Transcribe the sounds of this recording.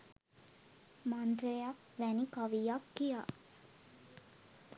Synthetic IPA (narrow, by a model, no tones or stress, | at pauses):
mand̪ɾejak | ʋænikaʋijakːija̰